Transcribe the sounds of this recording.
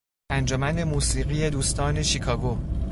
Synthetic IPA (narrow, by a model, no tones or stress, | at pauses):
ʔænd͡ʒomænd̪e̞muːsiːɣiːje̞d̪uːst̪ʰɒːne̞ʃikʰɒːɡo